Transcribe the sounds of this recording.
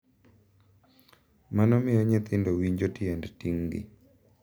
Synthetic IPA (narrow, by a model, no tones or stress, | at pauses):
manɔmɪjɔɲɪt̪ɪndowiɲd͡ʒotɪɛndtiŋɡɪ̰